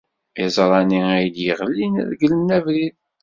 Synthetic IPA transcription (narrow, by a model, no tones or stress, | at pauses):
ɪzˤɾˤɑniæjljiʁlːinðɡləmnævɾið